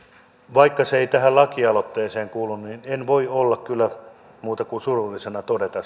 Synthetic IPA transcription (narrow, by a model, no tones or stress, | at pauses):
ʋɑikːɑseeit̪æɦællɑkiɑlot̪ːeːseːŋkuːlːunninenʋoiolːɑkkylːæ | muːt̪ɑkunsurulːisenɑt̪odet̪ɑ